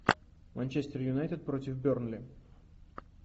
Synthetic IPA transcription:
mɐnʲt͡ɕesʲt̪ʲɪrjʊnajt̪ʲɪt̪̚pɾot̪ʲɪfbʲornlʲɪ

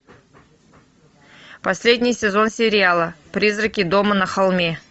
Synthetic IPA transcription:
pɐsʲlʲedʲnʲɪjsʲɪzo̞nsʲɪɾʲɪalˠəpɾʲizrəkʲɪd̪o̞mənəxɐlˠmʲe̞

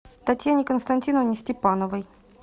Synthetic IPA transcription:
t̪ɐtʲjanʲɪkənst̪ɐnʲtʲinəvnʲɪsʲtʲɪpanəvəj

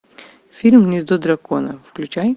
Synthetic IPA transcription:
fʲilʲmnʲizd̪od̪ɾɐkonəfklʲut͡ʃaj

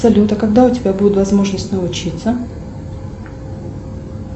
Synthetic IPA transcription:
sɐlʲut̪əkɐɡ̚d̪aʊtʲɪbʲabudʲɪt̪vɐzmo̞ʐnəsʲtʲnəʊt͡ɕit̪sə

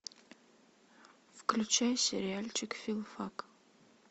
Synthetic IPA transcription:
fklʲut͡ʃajsʲḛɾʲɪalʲt͡ʃʰɪkfʲilˠfak

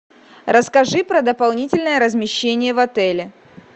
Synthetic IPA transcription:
rʔəskɐʐɨpɾəd̪əpɐlˠnʲitʲɪlʲnəjəɾəzmʲɪɕːenʲɪjəvɐt̪ɛlʲɪ

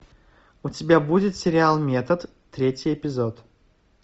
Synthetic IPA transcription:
ʊtʲɪbʲabudʲɪt̪sʲɪɾʲɪalˠmʲet̪ət̪ːɾʲetʲjɛpʲɪzot̪

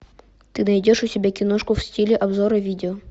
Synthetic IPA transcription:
t̪ɨnɐjdʲoʂʊsʲɪbʲakʲɪnoʂkʊfsʲtʲilʲɪʔɐbzoɾəvʲidʲɪo

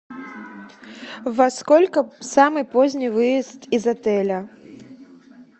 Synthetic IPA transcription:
vaskɔlʲkɐsamɨpɔzʲnʲivɨjist̪izat̪ɛlʲɐ

